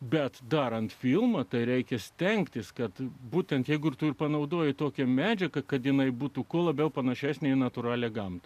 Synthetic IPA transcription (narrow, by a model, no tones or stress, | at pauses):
bʲɛt̪d̪ɐɾɐnt̪fʲilˠmɐt̪ɐɪɾʲɛɪkʲɛsʲt̪ʲɛŋkt̪ʲɪskɐt̪buːt̪ʲɛnt̪jɛɪɡʊɪrt̪ʊɪrpɐnɐʊd̪oːjɪt̪oːkʲɛmʲæːd͡ʒʲɛkɐkɐt̪jɪnɐɪbuːt̪uːkuɔlˠɐbʲɛʊpɐnɐʃʲæːsʲnʲeɪnɐt̪ʊɾɑːlʲɛɡɐmt̪ɐ